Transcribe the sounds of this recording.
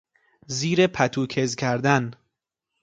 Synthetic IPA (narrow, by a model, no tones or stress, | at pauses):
ziːɾepʰæt̪ʰuːkʰezcʰæɾd̪æn